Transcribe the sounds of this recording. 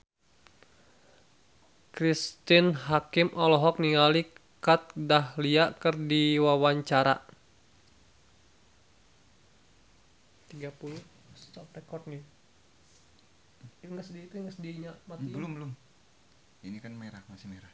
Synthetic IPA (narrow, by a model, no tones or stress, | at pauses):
kɾist̪ɪnɦakimʔɔlɔɦɔk̚niŋalikat̪̚dahliakərdiwawaɲt͡ʃaɾa̰ | t̪iɡapuluh | st̪ɔp̚rekɔrt̪̚ni | ŋɡəsədiit̪uŋɡəsədiɾiɲamat̪ibəlumbəlʊm | inikanmeɾahmasɪmeɾah